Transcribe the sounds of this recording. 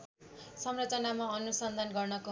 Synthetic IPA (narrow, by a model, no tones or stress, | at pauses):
sʌmrʌt͡sʌnamaʌnusʌnd̪ʱanɡʌrnʌko